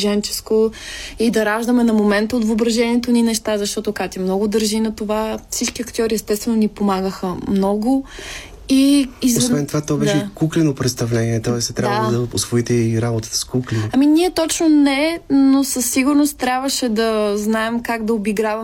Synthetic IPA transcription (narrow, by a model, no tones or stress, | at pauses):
ʒɛnt͡ʃɛ̥skoid̪ɐɾaʒd̪əmɛnɐmomɛnt̪əot̪vːbɾɐʒɛniɛt̪oninɛʃt̪azɐʃt̪ɔt̪okat̪imnɔɡʊd̪əɾʒinɐt̪ovafsit͡ʃkiɐkt̪ʲiɔɾiɛst̪ɛst̪vɛnonipomaɡəxəmnɔɡʊ | izosvɛnt̪ovat̪ɔbɛʃɛkuklɛnopɾɛt̪st̪ɐvlɛniɛt̪ɔɛst̪ɾʲavd̪ɐosvoit̪ɛiɾabot̪ə̥t̪ə̥skuklʲiɐminiɛt̪ɔt͡ʃnonɛnosəsːiɡʊɾnost̪t̪ɾʲabvəʃɛd̪ɐznaɛmkaɡd̪ɐobiɡɾavɐm